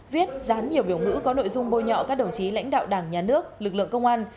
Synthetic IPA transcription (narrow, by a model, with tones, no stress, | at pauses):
vi˦˥ət̚zaː˨˦nɲi˨˩əwɓi˧˩əwŋɨ̰˧˥kɔ˨˦no̰˧˨jzʊ˧ŋ͡mɓo˧˩jɲɔ̰˧˨kaː˦˥k̚ɗə˧˩wŋ͡mt͡ɕi˨˦la̰˧˥jŋ̟ɗa̰ː˧˨wɗaː˧˩ŋɲaː˨˩nɨ˦˥ək̚lɨ˨˩k̚lɨ̰˧˨əŋkə˧wŋ͡mʔaː˧n